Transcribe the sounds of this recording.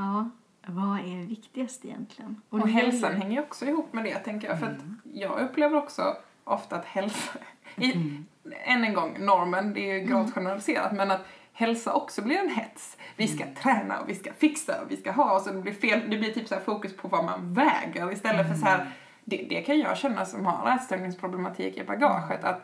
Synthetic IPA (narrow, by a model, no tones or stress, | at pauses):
ɑː | vaæɖvɪkt̪ɪɡast̪ɪjɛ̰nt̪ʰlɪɡənɔɦɛlsanhɛŋːəɾjɔksɔɪhuːpːmɛd̪ɛt̪ʰɛŋkəɾjɑ̰fœɾat̪jɑːɡɵpːleːvəɾɔksɔ̰ | ʔɔft̪aːt̪hɛlsaɪ | ɛnːənɡɔŋːnɔɾmənd̪ɛɛjɵɡɾɑːvt̪ɧɛnəɾalɪseːɾa̰t̪mɛnat̪hɛlsaʔɔksɔblɪɾɛnɦɛt̪svɪskat̪ʰɾɛːna̰ɔ̰vɪskafɪksa̰ɔ̰vɪskaɦɑːɔsɔd̪ɛblɪɾfeːld̪ɛblɪʈʰyːpsæːfuːkɵspʰɔvama̰nvɛːɡəɾɪst̪ɛlːət̪fœʂɔhæːɾ | d̪ɛd̪ɛkʰanjɑ̰ːɕɛnːasɔmha̰ɾæːɾst̪ɛlnnɪŋspʰɾʊblɛmat̪ʰḭːkɪbaɡɑ̰ːɧət̪a̰t̪